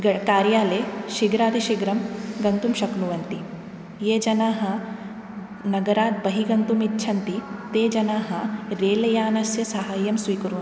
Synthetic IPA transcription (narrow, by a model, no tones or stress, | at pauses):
ɡɐkaːɾjaːleːʃiɡɾaːd̪iʃiɡɾɐmɡɐnt̪umʃɐknuʋɐnt̪i | jeːd͡ʒɐnaːɦɐ̆ | nɐɡɐɾaːt̪̚bɐɦiɡɐnt̪umitːʃʰɐnt̪it̪eːd͡ʒɐnaːɦɐɾeːlɐjaːnɐsjɐsɐɦaːjɐmsʋiːkɐɾuʋ